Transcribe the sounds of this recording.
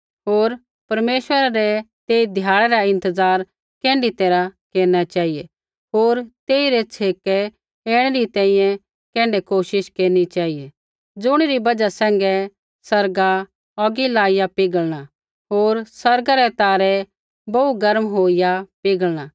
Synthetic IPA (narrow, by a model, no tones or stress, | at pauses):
ɦoːɾ | pɐɾmeːʃʋəɾaɾɛt̪eːid̪ʱjaːɭɛɾaɪ̃nt̪əzaːɾ | kɛ̃ːɳɖit̪eːɾakeːɾñat͡ʃaːije | ɦoːɾt̪eːiɾɛt͡sʰeːkɛ | eːɽ̃ɛɾit̪ɛ̃ːĩjɛ̃ | kɛ̃ːɳɖɛkoːʃɪʃkeːɾnit͡ʃaːɦije | d͡zʊɽ̃iɾibɐd͡ʒasɛ̃ːŋ̆ɡɛ | sɐɾɡa | ɔɡilaːɪjapɪɡəɭɽ̃a | ɦoːɾsɐɾɡaɾɛt̪aːɾɛ | bɐuɡɐɾmɦoːijapɪɡəɭɽ̃a